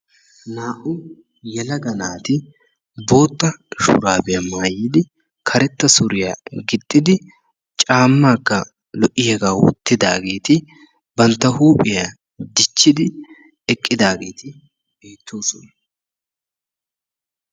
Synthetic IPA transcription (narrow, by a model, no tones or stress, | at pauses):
naːʔʊ | jɛlɐɡɐnaːt̪ɪ | bo̞ːt̪ːɐʃʊ̰ɾaːbɛjɐmaːjːɪd̪ɪ | kʰɐɾɛt̪ːɐsʊɾɪja̰ɡɪt̪ʼːɪd̪ɪ | t͡ʃʼaːmːaːkːɐ | lɔʔɪhɛɡaːwɔ̰t̪ːɪd̪a̰ːɡe̞ːt̪ɪ | bɐnt̪ːɐhuːpʼɪja | d̪ɪt͡ʃːɪd̪ɪ | ɛkʼːɪd̪aːɡe̞ːt̪ɪ | b̥e̞ːt̪ːo̞ːsɔnɐ